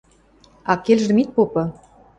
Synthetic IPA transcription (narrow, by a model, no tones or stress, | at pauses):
ɑkelʒ̆mit̪̚popɤ̆